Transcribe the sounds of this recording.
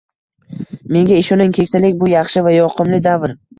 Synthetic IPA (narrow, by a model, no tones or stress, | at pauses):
me̞ŋɡʲaɪʃɒnɪŋkʲʰe̞k̚ʲt̪ʰalɪkʲbʊjɑχʃɪvajɒqʰɨmlɪd̪avɾ